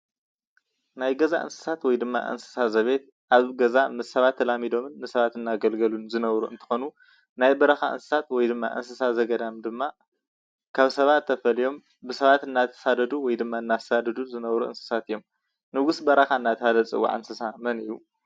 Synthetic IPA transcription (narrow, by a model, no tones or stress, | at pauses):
najɡɐza̰ʔɨ̰nsɨ̥sat̪wɔjd̪ɨmːa̰ʔɨ̰nsɨ̥sazɐβe̞t̪̚ | ʔaβɡɐzamɨsːɐβat̪ʰːɐlamid̪o̞mɨnmɨsɐβat̪ɨnːaɡɐlɡɐlunzɨnɐβɾuɨnt̪ʰɨ̥xo̞nu | najbɐɾɐxa̰ʔɨ̰nsɨ̥sat̪wɔjd̪ɨmːa̰ʔɨ̰nsɨsazɐɡɐd̪amd̪ɨmːa | kʰaβsɐβat̪ʰːɐfɐlijo̞m | bɨsɐβat̪ɨnːat̪ʰːɐ̥sad̪ɐd̪uwɔjd̪ɨmːaɨnːḁsad̪ɐd̪uzɨnɐβɾuʔɨ̰nsɨ̥sat̪ɨjːo̞m | nɨɡusbɐɾɐxaɨnːat̪ʰɐhalɐt͡sʼɨ̰wːa̰ʕɨ̰nsɨsamɐnɨjːu